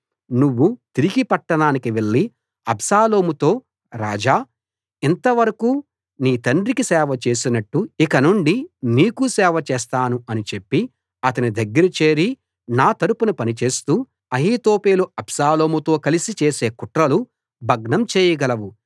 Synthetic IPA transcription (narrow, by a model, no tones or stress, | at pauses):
nuʋːut̪iɾiɡipɐʈːɐɳaːnikiʋe̞ɭːi | ɐbsaːlo̞ːmut̪o̞ː | ɾaːd͡ʒaː | int̪ɐʋɐɾɐkuː | niːt̪ɐɳɖɾikisɛːʋɐt͡ʃe̞ːsinɐʈːuikɐnuɳɖiniːkusɛːʋɐt͡ʃɛːst̪aːnuɐnit͡ʃe̞pːi | ɐt̪ɐnid̪ɐɡːɐɾit͡ʃe̞ːɾi | naːt̪ɐɾupunupɐnit͡ʃe̞ːst̪uː | ɐɦiːt̪o̞ːpeːluɐbsaːlo̞ːmut̪o̞ːkɐlisit͡ʃeːse̞ːkuʈɾɐlu | bʱɐɡnɐmt͡ʃeːjɐɡɐlɐʋu